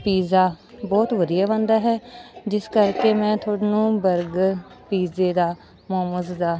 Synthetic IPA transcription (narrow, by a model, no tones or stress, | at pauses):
piːzaː | bɔːt̪ʋəd̪ijaːbãːnd̪aːɦɛːd͡ʒɪskəɾkeːmɛ̃ːt̪ʰoːɽnũːbəɾɡ | piːzeːd̪aː | moːməzd̪aː